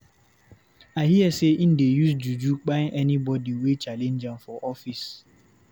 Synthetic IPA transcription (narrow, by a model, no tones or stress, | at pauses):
aɦiɛseʔin̩dejusd͡ʒud͡ʒuk͡paʔɛnibɔdiwet͡ʃalend͡ʒaŋfɔʔɔfis